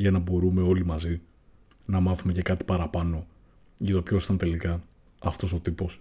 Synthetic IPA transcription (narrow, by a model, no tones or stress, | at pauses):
ʝɐnɐbo̞ɾume̞o̞limɐzi | nɐmɐθume̞cekɐt̪i̥pɐɾɐpɐno̞ | ʝɐt̪opço̞si̥t̪ɐnt̪e̞likɐ | ɐft̪o̞so̞t̪ipo̞s